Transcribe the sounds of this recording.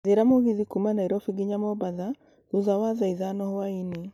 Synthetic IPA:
ðeɾamoɣiðikumanaiɾɔfiɡiɲamɔbaða | ðuðawaðaiðanɔhwaine

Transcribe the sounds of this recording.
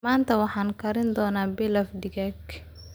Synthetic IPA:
maːnt̪ʰɐwɑħɑːŋkʰɐɾɪnd̪ɔːnaːbɪlɐfd̪ɪɣɛɡ

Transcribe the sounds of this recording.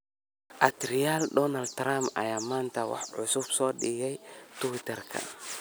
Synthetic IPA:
ʔɐt̪ɾɪjaːld̪ɔnɐld̪t̪ɾamɐ̰jaːmaːnt̪ʰɐwɑ̰ħʕʊsʊb̥sɔːɗɪɣɛjt̪ʰʊwɪt̪ʰɛrkʰɐ̰

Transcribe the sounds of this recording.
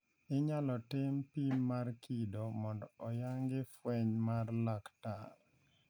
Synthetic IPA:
ɪɲalɔtɪmpimːarkʰidomɔndɔɔjaŋɡɪfwɛɲmarlaktal

